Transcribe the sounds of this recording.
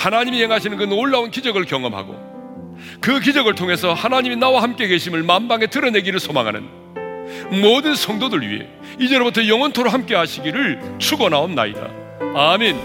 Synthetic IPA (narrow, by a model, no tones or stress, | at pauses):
hanaɲimihe̞ŋɦaɕʰinɯnkɯnoɭːaunkid͡ʑʌɡɯɭkjʌŋʌmɦa̰ɡo̰ | kɯk̬id͡ʑʌɡɯɭtʰoŋe̞sʰʌhanaɲiminawahamk͈e̞ke̞ɕʰimɯɭmambaŋe̞tɯɾʌne̞ɡiɾɯɭsʰomaŋɦa̰nɯ̰n | mʌdɯnsʰʌŋdodɯɭɥḭe̞̰ | id͡ʑeɾobutʰʌjʌŋʌntʰoɾoɦamk͈e̞ɦaɕʰiɡiɾɯɭt͡ɕʰuɡʌnaonnːa̰ḭda̰ | amen